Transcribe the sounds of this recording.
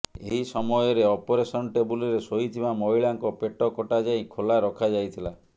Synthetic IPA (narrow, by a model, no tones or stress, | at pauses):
eɦisɔmɔjɔɾeɔpoɾesɔnʈebulɔɾesoɦit̪ʰibamɔiɭaŋkɔpeʈɔkɔʈad͡ʒajkʰolaɾɔkʰad͡ʒajt̪ʰila